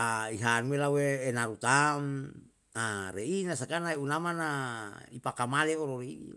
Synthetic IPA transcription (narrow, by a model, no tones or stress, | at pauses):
aiɦanwelaweːnaɾut̪am | aɾeinasakanaeunamanaipakamaleoɾoɾi